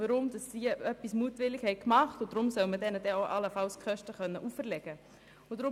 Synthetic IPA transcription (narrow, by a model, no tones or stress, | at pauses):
əɾʊmd̥ɑsːiœpːismuətʋɪlːɪkhɛɪkmɑχtʊd̥ɾʊmsœlmədɛnədɛoʊʔɑləfɑlskχœʃtəχœnːəʔuːfəɾlɛɡ̥ə | ʊdɾʊ